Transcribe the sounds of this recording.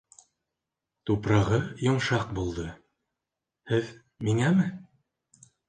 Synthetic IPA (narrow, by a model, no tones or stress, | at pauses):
t̪upɾɑʁɤjŏɴʃɑq̚bulˠd̪ɤ | hɘð | miŋæmɘ